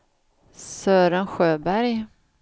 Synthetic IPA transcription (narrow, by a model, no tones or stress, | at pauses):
søːɾənɧøːbæɾj